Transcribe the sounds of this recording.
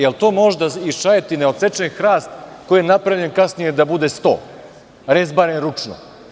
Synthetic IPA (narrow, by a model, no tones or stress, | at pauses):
jelt̪o̞ːmo̞ʒd̪aiʃajet̪ineo̞t̪set͡ʃenxɾaːst̪kojijenapɾaʋʎe̞nkasnijed̪abud̪est̪o̞̰ː | ɾezbaɾenɾut͡ʂno̰